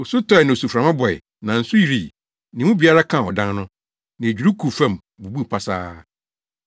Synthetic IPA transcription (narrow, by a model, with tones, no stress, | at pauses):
o˨su˦tʰɔ˦ɛ˨nɪ̃˨o˨su˨fɾã˨mã˦bɔ˨ɛ̰˨ | nã˨n̩˨sʊ˦ji˨ɾi˨ | nɪ̃˨mʊ̃˦bi˨a˦ɾa˦kʰã˦˨ɔ˨dã˦nnʊ̃˦ | nɪ̃˨e˨d͡ʑᶣu˨ɾu˦kʰu˨fã˦˨m | bu˨bu˦˨pʰa˦saː˦